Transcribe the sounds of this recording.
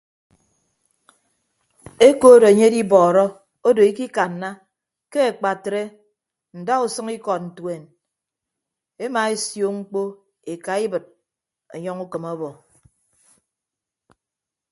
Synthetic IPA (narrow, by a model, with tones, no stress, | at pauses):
e˦koː˦ɾo˨e˨ɲe˦di˦bɔː˨ɾɔ˦ | o˦do˨i˦ki˦ka˨nːa˦ | ke˦e˨k͡pa˨tɾe˦ | n̩˨da˦u˨sʌ˦ŋi˦kɔ˨t̚n̩˨twe˨n | e˦ma˨e˦sjo˨ŋ͡m̩˦k͡po˦ | e˨ka˨i˦bɨ˨t̚ | ɔ˨ɲɔ˦ŋu˦kɨ˨mɔ˦bɔ˨